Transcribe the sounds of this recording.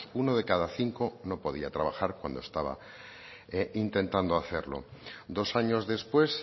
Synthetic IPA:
unoð̞e̞kaðaθiŋko̞no̞po̞ðiat̪ɾaβ̞axaɾkwa̰nd̪o̞est̪aβa̰ | int̪e̞nt̪and̪oaθe̞ɾlo̞̰d̪o̞saɲo̞zðe̞spwe̞s

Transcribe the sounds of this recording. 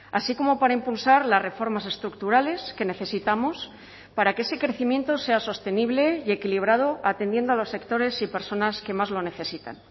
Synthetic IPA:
asiko̞mo̞paɾaimpulsaɾlazre̞fo̞ɾmas̬e̞st̪ɾuk̚t̪uɾale̞ske̞ne̞θe̞sit̪amos | paɾakeese̞kɾe̞θimjẽ̞nt̪o̞se̞aso̞st̪e̞niβle̞je̞kiliβ̞ɾað̞o̞at̪e̞nd̪je̞nd̪oalo̞sːe̞kt̪o̞ɾe̞sipe̞ɾso̞naske̞mazlo̞ne̞θe̞sit̪a̰n

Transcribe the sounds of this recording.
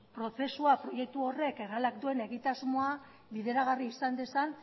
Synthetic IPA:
pɾo̞θe̞suapɾo̞je̞k̚t̪uo̞re̞ke̞ralakd̪ue̞ne̞ɣit̪azmoa | βiðe̞ɾaɣ̞ariːsand̪e̞san

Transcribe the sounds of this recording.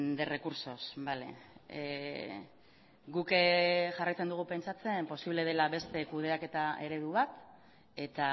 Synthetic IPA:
d̪ere̞kuɾso̞sbale̞̰ | ɡukeʝarajt͡se̞nd̪uɣ̞upe̞nt͡sat͡se̞mpo̞siβle̞ð̞e̞laβe̞st̪e̞kuð̞e̞ake̞t̪ae̞ɾe̞ðuβat̪ | e̞t̪a

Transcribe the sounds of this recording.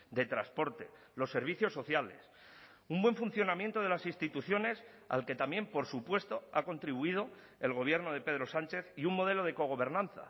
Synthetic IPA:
d̪e̞t̪ɾaspo̞ɾt̪e̞ | lo̞sːe̞ɾβ̞iθjo̞sːo̞θjale̞s | umbwe̞ɱfunθjo̞namjent̪o̞ð̞e̞lasinst̪it̪uθjo̞ne̞s | a̰lke̞t̪amje̞mpo̞ɾsupwe̞st̪o̞ako̞nt̪ɾiβ̞uið̞o̞ | e̞lɣ̞o̞β̞je̞ɾnoð̞e̞pe̞ðɾo̞sant͡ʃe̞θiuŋmo̞ð̞e̞lo̞ð̞e̞ko̞ɣ̞o̞βe̞ɾnãnθa̰

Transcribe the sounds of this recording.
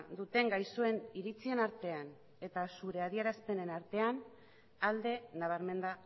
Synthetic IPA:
d̪ut̪e̞ŋɡajsue̞niɾit͡sie̞naɾt̪e̞an | e̞t̪asuɾe̞að̞ieɾaspe̞ne̞naɾt̪e̞an | ald̪e̞naβ̞aɾme̞nd̪a

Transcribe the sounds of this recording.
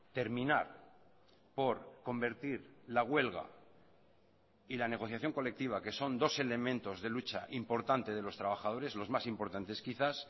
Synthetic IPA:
t̪e̞ɾmĩnaɾ | po̞ɾko̞mbe̞ɾt̪iɾlaɣwe̞lɣa̰ | ilane̞ɣ̞o̞θjaθjo̞ŋko̞le̞k̚t̪iβ̞ake̞so̞nd̪o̞se̞le̞mẽnt̪o̞zðe̞lut͡ʃaʔimpo̞ɾt̪ant̪e̞ð̞e̞lo̞st̪ɾaβ̞axað̞o̞ɾe̞zlo̞zmasimpo̞ɾt̪ant̪e̞skiθas

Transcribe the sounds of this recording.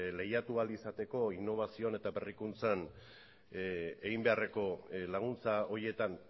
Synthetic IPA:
le̞jat̪ualisat̪e̞ko̞inːo̞β̞asio̞ne̞t̪abe̞rikunt͡san | eɣimbe̞are̞ko̞laɣ̞unt͡sao̞ɾie̞t̪an

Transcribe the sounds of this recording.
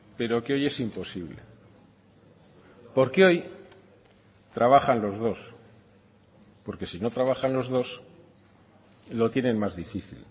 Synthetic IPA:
pe̞ɾo̞keo̞je̞simpo̞siβ̞le̞̰ | po̞ɾkeo̞j | t̪ɾaβ̞axanlo̞zð̞o̞s | po̞ɾke̞sino̞t̪ɾaβ̞axanlo̞zðo̞s | lo̞t̪je̞nẽ̞nmazðifiθḭl

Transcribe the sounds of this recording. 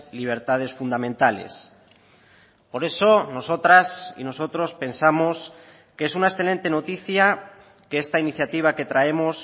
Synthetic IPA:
liβ̞e̞ɾt̪að̞e̞sfund̪amẽnt̪ale̞̰s | po̞ɾe̞so̞no̞so̞t̪ɾasḭno̞so̞t̪ɾo̞spe̞nsamos | kee̞sunaesθe̞le̞nt̪e̞no̞t̪iθja | keest̪ainiθjat̪iβ̞ake̞t̪ɾae̞mos

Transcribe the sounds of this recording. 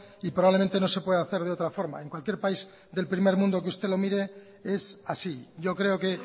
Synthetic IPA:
ipɾoβaβle̞ment̪e̞no̞se̞pweðaθe̞ɾð̞eo̞t̪ɾafo̞ɾma̰e̞ŋkwalkje̞ɾpaiz | d̪e̞lpɾime̞ɾmũnd̪o̞k̬eust̪e̞lo̞miɾe̞ | e̞sasiʝo̞kɾe̞oke̞

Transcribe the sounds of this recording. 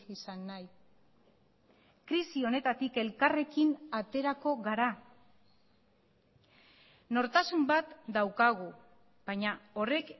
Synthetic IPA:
isanːaj | kɾisio̞ne̞t̪at̪ike̞lkare̞kinat̪e̞ɾako̞ɣaɾa | no̞ɾt̪asumbat̪d̪awkaɣ̞u | b̥aɲao̞re̞k

